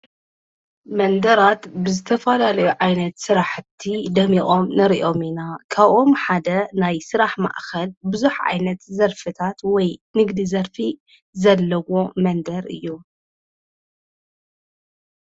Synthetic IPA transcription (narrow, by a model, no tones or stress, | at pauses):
mɐnd̪ɐɾat̪bɨzɨt̪ʰɐfɐlalɐjuʕajnɐt̪sɨɾaħt̪ʰid̪ɐmiχʼo̞mnɐɾiʔo̞minakʰaβʔo̞mħad̪ɐnajsɨɾaħma̰ʔxɐlbɨzuħʕa̰jnɐt̪zɐɾfɨt̪ʰat̪wɔjnɨɡd̪izɐɾfi | zɐlːɐwo̞mɐnd̪ɐɾɨ̰jːu